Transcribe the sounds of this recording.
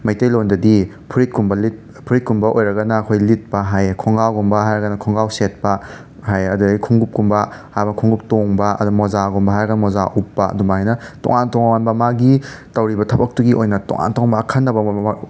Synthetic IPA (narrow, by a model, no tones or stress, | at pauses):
mɐjtejlondɐdi | pʰuɾit̚kumbɐlit̚ | pʰuɾit̚kumbɐʔojɾɐɡɐnɐkʰojlit̚pɐɦajkʰɔŋɡawɡumbɐɦajɾɐɡɐnɐkʰɔŋɡawset̚pɐ | ɦajɐdudikʰuŋɡup̚kumbɐhajbɐnkʰuŋɡup̚toŋbɐɐ̰dumozaɡumbɐɦajɾɐɡɐnɐmozaʔupːɐ̰dumaajnɐtɔ̰ŋantɔŋmanbɐmaɡitɐwɾibɐtʰɐbɐk̚tuɡiʔojnɐtɔ̰ŋa̰ntoŋmakʰɐnːɐbɐma